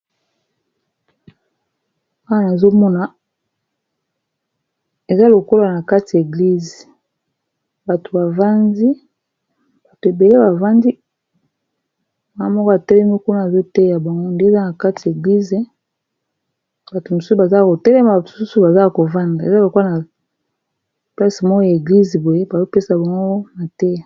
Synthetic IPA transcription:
a˦wa˦na˨zo˦mɔ˦na˨ | e˨za˦lo˨ko˦la˨na˨ka˦ti˨e˨ɡli˦ze˨ | ba˨to˨ba˨va˦ndi˦ | b̥a˨to˨e˨be˨le˦ba˨va˦ndi˦ | ma˨ŋ˦mɔ˦ko˦a˨tɛ˦lɛ˦mi˦ku˦na˦˨a˨zo˦tɛ˦ja˨ba˨ŋɡo˦nde˦˨za˦na˨ka˦ti˨e˨ɡli˦ze˨˦ | b̥a˨to˨mo˨su˦su˨ba˨za˦ko˨tɛ˦lɛ˦ma˨mo˨ssu˦su˨ba˨za˦ko˨va˦nda˨ḛ˨za˦lo˨ko˦a˨na˨ | pla˦si˨mɔ˦ɡo˦a˨e˨ɡli˦ze˨bo˨je˦ba˨zo˦pe˦sa˨ba˨ŋɡo˦o˦na˨tɛ˦

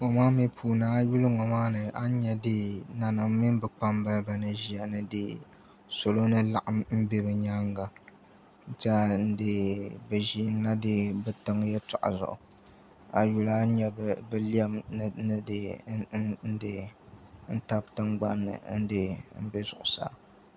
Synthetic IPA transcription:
ŋo˨maː˦mi˦pʰuː˨naː˦ju˦lɨ˦ŋɔ˨maː˦nɨ˨a˦ɲɛ˦dɨ˦na˨na˨mː˦i˦nbɛ˨k͡pa˦mbɨ˦ba˨nɨ˨ʒi˨a˨nɨ˦dɨ˨ | so˨lo˦nɨ˦la˦˨ʔa˨mm̩˦bɛ˦bɛ˨ɲa˦ŋɡa˨ | n̩˦tɛ˦n̩˦dɨ˦bɛ˨ʒi˦n˦la˦dɨ˦bɨ˨tɨ˦ŋ˦jɛ˦tɔ˨ʔa̰˨zʊ̰˨ʔʊ̰˨ | a̰˨ju˨la˦ɲɛ˦bbɨ˦li˦ɛ˦m˨nɨ˦dɨ˦ | n̩˦dɨ˦ | n̩˦ta˦b̚tɨ˦ŋɡ͡ba̰˦nːɨ̰˨n̩˦dɨ˦m̩˦bɛ˦zʊ̰˨ʔʊ˨sa̰ː˨˦

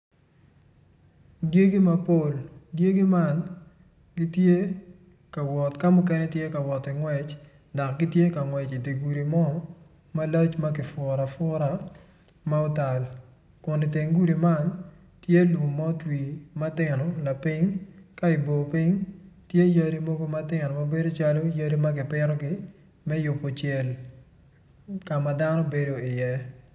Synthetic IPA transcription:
ɡje˦ɡi˦ma˦po˦˨lɡje˦ɡi˦ma˦n | ɡi˦tje˦ | ka˨wɔ˨tka˦mʊ˦kɛ˦nɛ˦tje˦ka˨wɔ˨tɪ˨ŋwɛ˨t͡ʃ | da˨k̚ɡɪ˦tje˦ka˨ŋwɛ˨t͡ʃi˨de˨ɡu˨ɾi˨mɔ˦ | ma˦lɔ˦t͡ʃma˦kɪ˨fʊɾa˨fʊ˦ɾa˦ | ma˦o˦ta˨l | kʊ˨nɪ˨te˨ŋɡu˦ɾi˨ma˦˨n | tje˦lu˨m˨mɔ˦twi˨ma˦tɪ˨nɔ˨la˨pɪ˦ŋka˦ɪ˨bo˨pɪ˦ŋtje˦jɐ˦ɾi˦mo˦ɡo˦ma˦tɪ˨nɔ˨ma˨be˦do˦t͡ʃa˦lo˦jɐ˦ɾi˦ma˦ɡɪ˨pɪɾɔ˦ɡɪ˦ | mɛ˦jʊ˨po˨t͡ʃjɛ˨l | ka˨ma˨da˦no˦be˦do˦ɪ˨jɛ˦

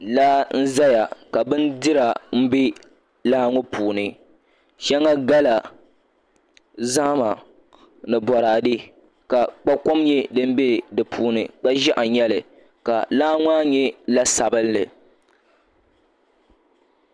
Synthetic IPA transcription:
la˦n̩˦za˦ja˨ka˨bɨ˦n˦dɨ˦ɾa˨m̩˦bi˦ | laː˦ŋʊ˦pʰuː˨nɨ˨˦ | ʃɛ˦ŋa˦ɡa˦la˨ | za˦ma˨ | nɨ˨bɔ˨ɾaː˨dɨ˦ | ka˨k͡pa˦ko˦mɲɛ˦dɨ˦m̩˦bi˦dɨ˨pʰuː˨˦nɨ̰˨k͡pa˦ʒɛ˦ʔa˨ɲɛ˦lɨ˨ | ka̰˨laː˦ŋ˦a˦ɲɛ˦la˦sa˨bɨ˦lːɨ˨

